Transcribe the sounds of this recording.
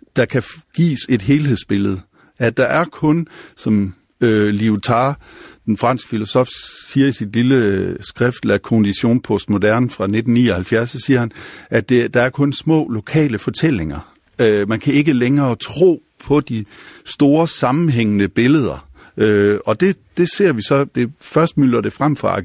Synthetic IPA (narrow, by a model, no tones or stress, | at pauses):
d̥ɑ̈kʰæɡ̥ḭːse̝d̥ɦe̝ːlɦe̝ð̰ˠsb̥e̝ləð̞̩ˠ | æd̥ɑ̈ʔæɐkʰɔ̽nsɒ̽m | øliut͡sʰɑ̈d̥enfʁɑ̈n̰sɡ̥ə̥filo̝sɒ̽fsiːɐisid̥liləsɡ̥ʁɛfd̥l̩ækʰond̥iɕo̝̰ːnpʰɔsd̥mo̝dæɐnfʁɑ̈ne̝d̥n̩nːiːɒhælfjæɐsɒsiːɐhænʔæ̥e̝d̥ɑ̈æɐkʰɔ̽nsmɔ̰̽ːlo̝kʰɛ̰ːləfɒ̽t͡sʰel̰e̝ŋɐ | ømænkʰæe̝ɡ̥əleŋɐːt͡sʰʁo̝̰ː | pʰɒ̽d̥isd̥o̝ːɐsɑ̈mn̩ɦeŋ̰ənəb̥e̝ləð̞ˠɐ | øɒ̽d̥e̝d̥e̝se̝ɐ̰ʋisɒ̽d̥e̝fɶɐsd̥myl̥ɐɾ̥e̝fʁam̰fʁɑ̈